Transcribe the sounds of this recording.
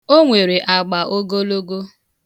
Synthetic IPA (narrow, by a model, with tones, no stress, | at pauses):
o˦ŋʷe˨ɾe˨ʔa˨ɡ͡ba˨ʔo˦ɡo˦lo˦ɡo˦